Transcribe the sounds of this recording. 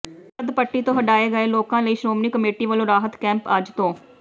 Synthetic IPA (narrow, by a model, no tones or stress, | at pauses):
əd̪pəʈːiːt̪õːɦəɖaːeːɡəeːloːkãːləiːʃɾoːmniːkəmeːʈiːʋəlõːɾaːɦət̪kɛ̃ːmpəd͡ʒt̪õː